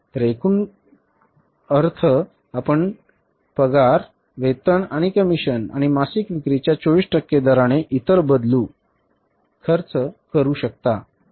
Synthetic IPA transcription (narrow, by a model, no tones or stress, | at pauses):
t̪ɾekʰuːn | əɾt̪ʰə | apəɳ | pəɡaɾ | ʋet̪əɳaɽ̃ikəmiɕəna̰ɽ̃imasikʋikɾit͡ɕjat͡ɕoʋiːsʈəkːed̪əɾaɽ̃eʔit̪əɾbəd̪luː | kʰəɾt͡skəɾuːɕək̚t̪a